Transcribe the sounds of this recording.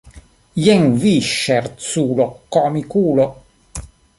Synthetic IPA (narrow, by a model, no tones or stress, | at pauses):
jɛŋviʃːɛrt̪suːlokːɔmikuːlo